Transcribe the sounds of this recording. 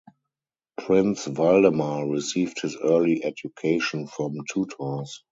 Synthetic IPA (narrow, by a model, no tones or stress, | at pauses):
pʰɹɪ̃nsvaldəmaɹisiːvthɪsɜːliʔɛdjukʰeɪʃɔ̃nfɹɔ̃mtʰuːtʰɔs